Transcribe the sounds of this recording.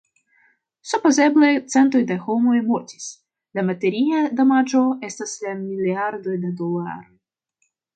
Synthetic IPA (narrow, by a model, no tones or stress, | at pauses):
supozɛblˠet̪sɛnt̪ojd̪axomojmotʲi̥sʲ | lʲamat̪eɾʲijad̪amad͡ʒoɛst̪ɐsʲlʲamʲilʲiard̪ojd̪ad̪olˠa̰ɾoj